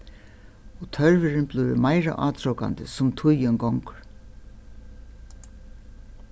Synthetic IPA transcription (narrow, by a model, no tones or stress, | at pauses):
ɔt̪ʰœɹvɪɾɪnblʊjɾɪ̰majɾa̰ʔaːt̪ʰɾɔwka̰nd̪əsʊmt̪ʰʊjəŋɡɔŋk